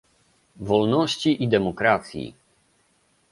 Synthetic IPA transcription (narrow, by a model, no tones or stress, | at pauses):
vɔlnɔɕt͡ɕiʔid̪ɛmɔkɾat̪sʲjḭ